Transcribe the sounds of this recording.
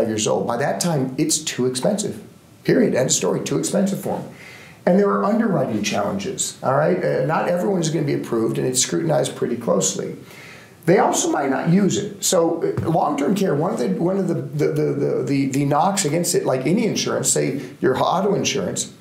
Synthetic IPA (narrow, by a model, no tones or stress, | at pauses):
ɪvjɪɹzoʊlˠd̚baɪðɨtʰãɪ̃mɨtstʰʉɨkspɛ̃nsɨ̰v̥ | pʰɪɹiɨɾɨ̃nstɔ̰ɹitʰʉɨkspɛ̃nsɨv̥fɔ̰ɹm | ɨ̃nðə˞ːʔʌ̃ndə˞ɹaɪɾɪ̃ŋt͡ʃʰæ̰lˠə̰̃nd͡ʒɪ̰z̥ʔɔlˠɹaɪt̚nəɾɛvɹiwʌ̃nɨzɡʌnɨbiɨpʰɹ̥uvdɨ̃nɨtskɹʉʔn̩aɪz̥pʰɹ̥ɪɾikʰl̥oʊslḭ | ðeɪɔlˠsoʊmaɪtⁿnə̰ʔ̚jʉzɪ̰t̚soʊlɔ̃ŋtʰɜ̃˞mkʰɛɹwʌ̃nʌvðɨwʌ̃nʌvðɨððɨðɨðɨðɨnɑksɨɡɛ̃nstɨtlaɪkɛniɨ̃nʃʊɹɨ̰̃nseɪ | jə˞hɑɾoʊɨ̃nʃʊ̰ɹɨ̰̃ns